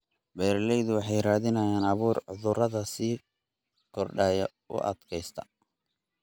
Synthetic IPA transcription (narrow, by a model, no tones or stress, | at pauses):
bɛːɾlɛjðʊwɑħɑjraːðɪnɐjaːnɑβuːrʕʊðʊɾɐðɐsiː | kʰɔrɖaːjɐ | ʔʊ̰ʔɐ̰d̪̥kʰɛjst̪ʰɐ̥